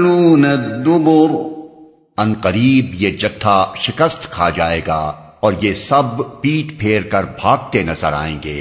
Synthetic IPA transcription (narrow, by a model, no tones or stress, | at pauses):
luːnɐd̪ʊbʊɾ | ɐ̃nqɐɾiːbjed͡ʒɐt̪ʰːaʃɪkəst̪kʰad͡ʒaːeːɡaː | ɔːɾjesɐbpiːʈpʰeːɾkɐɾbʱaːɡt̪enɐzəɾa̰ːḛ̃ːŋɡeː